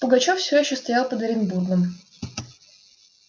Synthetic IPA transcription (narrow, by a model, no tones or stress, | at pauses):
pʊɡɐt͡ɕofsʲojɪɕːost̪ɐjalˠpəd̪əɾʲɪnburɡ̪əm